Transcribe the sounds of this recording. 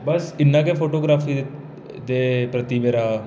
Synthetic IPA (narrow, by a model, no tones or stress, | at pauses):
bəsɪnːãːkepʰoːʈoːɡɾaːpʰiː | d̪eːpɾət̪iːʋeːɾaː